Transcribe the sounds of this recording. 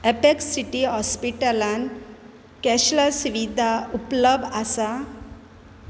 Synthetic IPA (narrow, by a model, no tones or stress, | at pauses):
epeksːiʈiɦɔspiʈəlan | kɛɕləsuʋid̪ʱaupləbʱasa